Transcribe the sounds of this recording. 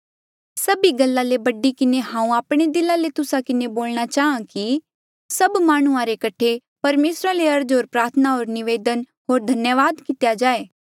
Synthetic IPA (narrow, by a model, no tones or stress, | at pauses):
sɐbiɡɐlːalebɐɖikɪneɦãːũaːpɽ̃ed̪ɪlalet̪ʊsakɪneboːlñat͡ʃaːɦãki | sɐbmaːɽ̃ʊãɾekɐʈʰe | pɐɾmeːsɾaleɐɾd͡ʒoːɾpɾaːɾt̪ʰənaɦoːɾnɪʋeːd̪ən | ɦoːɾd̪ʱɐnjəʋaːd̪kɪt̪jad͡ʒaːeː